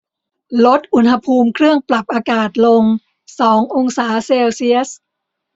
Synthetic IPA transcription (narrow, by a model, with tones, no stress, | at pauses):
lo˦˥t̪̚ʔu˨˩nha˧pʰuː˧mkʰɾɯ˥˩əŋpla˨˩p̚ʔaː˧kaː˨˩t̪̚lo˧ŋ | sɔː˩˦ŋʔo˧ŋsaː˩˦seː˧wsi˦˥əs